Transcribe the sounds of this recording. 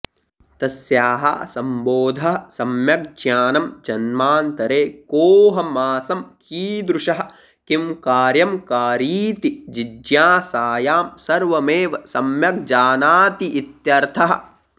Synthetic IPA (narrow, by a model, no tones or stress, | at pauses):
t̪ɐsjaːɦɐ̰sɐmboːd̪ʱɐɦɐsɐmjɐk̚d͡ʒjaːnɐmd͡ʒɐnmaːnt̪ɐɾeːkoːɦɐmaːsɐmkʰiːd̪ɾuʃɐɦɐ | kimkaːɾjɐmkaːɾiːt̪id͡ʒid͡ʒjaːsaːjaːmsɐɾʋɐmeːʋɐsɐmjɐk̚d͡ʒaːnaːt̪iʔit̪jɐɾt̪ʰɐɦɐ̆